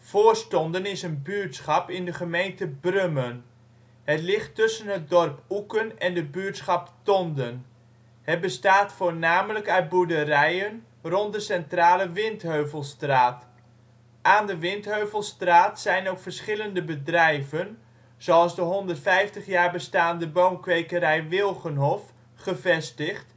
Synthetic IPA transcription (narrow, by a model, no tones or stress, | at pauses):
v̥oːɹstɔndənɪsənbyːtsχɑpɪndəχəmejntəbrømən | ɦətlɪχtːɵsənɦət̚dɔrpukənɛndəbyːɹtsχɑptɔndən | ɦət̚bəstaːtfoːɹnaːmələkœɥt̚budərɛjən | rɔnt̚dəsɛntraːləʋɪntɦøɥvəlˠstraːt | ʔaːndəʋɪntɦøɥvəlˠstraːtsɛjnowkfəɹsχɪləndəbədrɛjvən | z̥owɑlˠzdəɦɔndərtfɛjftəχjaːɹbəstaːndəbowmkʋejkəɾɛjʋɪlˠχənɦɔf | χəvɛstəχt